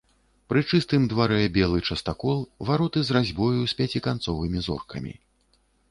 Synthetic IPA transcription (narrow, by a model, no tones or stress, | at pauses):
pɾɨt͡ʂɨst̪ɨmd̪vaɾɛbʲɛlˠɨt͡ʂɐst̪akɔlˠvaɾɔt̪ɨzrazʲbɔjusʲpʲat͡sʲikant̪sɔvɨmʲizɔ̰rkʰɐmʲḭ